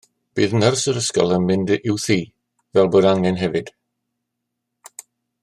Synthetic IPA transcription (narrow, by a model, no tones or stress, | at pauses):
b̥iːðnərsəɾəskɔlˠənmɪndɪwθiː | vɛlˠboːdaŋɛnɦɛvɨd̥